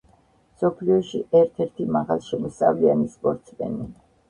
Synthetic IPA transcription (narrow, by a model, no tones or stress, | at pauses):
msɔpʰliɔʃḭʔɛɾt̪ʰɛɾt̪ʰimaʁalˠʃɛmɔsʼavlianispʼɔɾt̪sʰmɛ̰ni